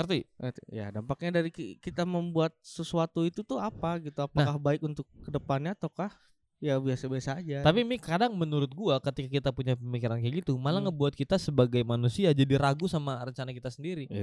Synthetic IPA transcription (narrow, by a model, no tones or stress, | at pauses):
kərt̪iət̪ja̰dampak̚ɲadaɾikikit̪aməmbuat̪̚səsuat̪uit̪ut̪ʊapaɡit̪uapnaakahbaɪkunt̪ʊkːədəpanɲaːt̪okah | jabiasabiasaːd͡ʒat̪apimikadaŋmənuɾʊt̪̚ɡuakət̪ikakit̪apuɲapəmikiɾankəɡit̪umalaŋəbuat̪̚kit̪asəbaɡajmanusiad͡ʒadiɾaɡusamarəɲt͡ʃanakit̪asəndiɾi